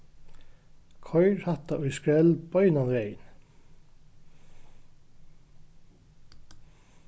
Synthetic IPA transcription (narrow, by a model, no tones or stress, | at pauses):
kʰɔʏɹhɑt̪ɑʔɔʏskɹɛlb̥œʏnɑnɾeɪn